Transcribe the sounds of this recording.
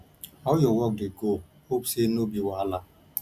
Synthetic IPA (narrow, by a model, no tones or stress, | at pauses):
ɔjʊwɔk̚deko | ok͡psenobiwala